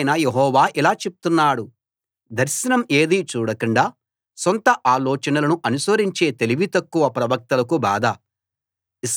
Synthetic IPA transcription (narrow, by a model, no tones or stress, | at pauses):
jnɐjeɦɔːʋaːʔilaːt͡ʃe̞p̚u̥t̪unːaːɽu | d̪ɐɾʃɐnɐme̞ːd̪iːt͡ʃuːɽɐkɐɳɖaː | sont̪ɐʔaːlɔːt͡ʃɐnɐlɐnuʔɐnusɐɾiɲt͡ʃe̞ːt̪e̞liʋit̪ɐkːuʋɐpɾɐʋɐk̚t̪ɐlɐkuba̰ːd̪ɐ | is